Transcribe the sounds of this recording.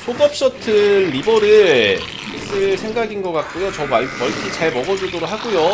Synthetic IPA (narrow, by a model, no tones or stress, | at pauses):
sʰoɡʌp̚ɕ͈ʌtʰɯnːibʌɾɯɭʰ | is͈ɯsʰe̞ŋɡaɡinɡʌk͈ak̚k͈ujot͡ɕʌmmʌɭt͡ɕ͈ʰit͡ɕaɭmʌɡʌd͡ʑudoɾok̚haɡujo